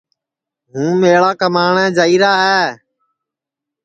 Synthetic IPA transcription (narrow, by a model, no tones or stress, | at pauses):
ɦũːmeːɭaːkəmaːɳɛːd͡ʒaːiːɾaːɦɛː